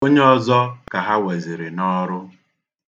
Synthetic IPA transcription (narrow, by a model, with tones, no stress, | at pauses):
o˦ɲe˦ɔ˦zɔ˦ka˨ɦa˦we˨zi˨ɾɪ˨nɔ˦ɾʊ˦